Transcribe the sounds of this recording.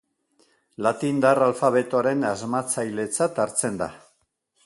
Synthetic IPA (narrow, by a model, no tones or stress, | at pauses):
lat̪ind̪aralfaβe̞t̪oaɾe̞nazmat͡sajle̞t͡sat̪aɾt͡se̞nd̪a̰